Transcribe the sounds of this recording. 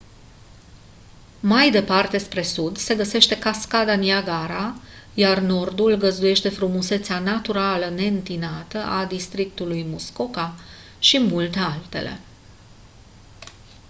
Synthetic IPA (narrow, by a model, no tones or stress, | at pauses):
majd̪e̞part̪e̞spɾe̞sud̪se̞ɡəse̞ʃt̪e̞kaskad̪anjaɡaɾajarno̞rd̪ulɡəzd̪uje̞ʃt̪e̞fɾumuse̞t̪sanat̪uɾaləne̞ɨnt̪inat̪əʔad̪ist̪ɾik̚t̪ulujmuskoka | ʃimult̪ealt̪e̞̰le̞̰